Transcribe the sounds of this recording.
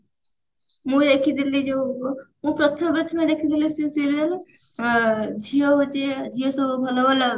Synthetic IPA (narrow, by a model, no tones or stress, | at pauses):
mũd̪ekʰid̪ʱilid͡ʒemũpɾɔt̪ʰɔmbɾɪt̪ʰmed̪ekʰid̪ʱilisisiɾl | d͡ʒʱijod͡ʒed͡ʒʱijosɔbubʱɔlɔbɔla